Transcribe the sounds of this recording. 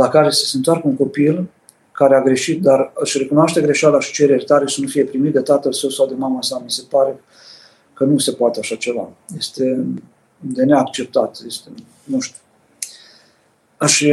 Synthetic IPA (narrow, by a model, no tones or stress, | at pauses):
lakaɾe̞sə̥sent̪oarkəunŋko̞pil | kaɾe̞aɡɾe̞ʃit̪̚d̪arɨʃʲre̞kunoaʃt̪e̞ɡɾe̞ʃalaʃi̥t͡ʃe̞ɾe̞rʲt̪aɾeʃənufije̞pɾimit̪̚d̪e̞t̪at̪əlsəwsawd̪e̞mamasamise̞paɾe̞ | kənuse̞poat̪eaʃat͡ʃe̞va̰je̞st̪e̞ | d̪e̞ne̞akt͡ʃe̞p̚t̪at̪jest̪e | nuʃt̪u̥ | əʃ